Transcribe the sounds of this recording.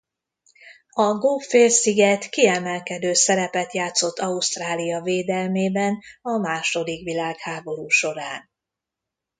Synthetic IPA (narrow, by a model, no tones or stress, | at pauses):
ɒɡoːfeːlsiɡɛt̪kiɛmɛlkɛd̪øːsɛɾɛpɛt̪jaːt̪so̞t̪ːɒust̪raːlijɒveːd̪ɛlmeːbɛnɒmaːʃo̞d̪ikʋilaːkhaːbo̞ɾuːʃo̞ɾaːn